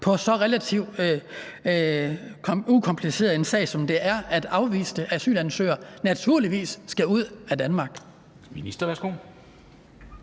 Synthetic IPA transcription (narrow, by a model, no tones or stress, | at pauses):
pʰɒ̽sɒ̽ʁelæt͡sʰiʊ̰̥ø | ukʰɒ̽mpʰlise̝̰ːð̩ˠe̝nsɛ̰ːɪsɒ̽md̥e̝ʔæɐʔæd̥ɑ̈ʊʋḭːsd̥əʔæsy̰ːld̥ænsø̰ːɐnæt͡sʰuɐ̰liʋḭːsːɡ̥æuð̞̰ˠæd̥ænmɑ̈ːɡ̥ | minisd̥ɐʋæɐsɡ̥o̝̰